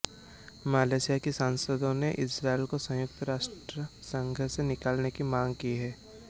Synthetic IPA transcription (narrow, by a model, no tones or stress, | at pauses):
maːleːsijakisaːnsəd̪õneʔɪsɾaːelkosɐ̃jʊk̚t̪ɾaːʃʈɾəsə̃ŋɡʱəsenɪkaːlnekimãːŋɡkiɦɛː